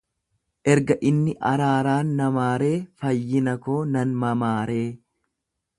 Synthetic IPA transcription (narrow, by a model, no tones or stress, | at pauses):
ʔɛɾɡɐʔɪnːɪʔɐɾaːɾaːnːɐmaːɾe̞ːfɐjːɪnɐkoːnɐnmɐmaːɾe̞ː